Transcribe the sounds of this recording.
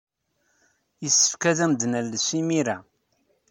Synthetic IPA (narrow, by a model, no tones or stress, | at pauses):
jəsːə̥fkæðæmd̪nəlːəsimiɾæ